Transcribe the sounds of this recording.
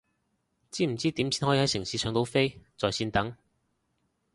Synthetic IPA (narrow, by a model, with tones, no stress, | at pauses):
t͡siː˥m̩˨˩t͡siː˥t̪iː˨˥msʰiː˨˥nhɔ˨˥jiː˧hɐ˨˥jsɪ˨˩ŋsiː˨˧sœː˨˧ŋt̪o˨˥wfe˥jt͡sɔː˨jsiː˧nt̪ɐ˨˥ŋ